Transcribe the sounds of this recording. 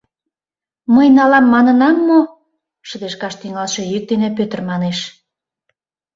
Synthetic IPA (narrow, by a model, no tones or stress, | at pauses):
məjnɑlɑmːɑnə̆nɑmːo | ʃə̆d̪eʃkɑʃt̪yŋɑlʃejyk̚d̪enepøt̪ə̆rmɑneʃ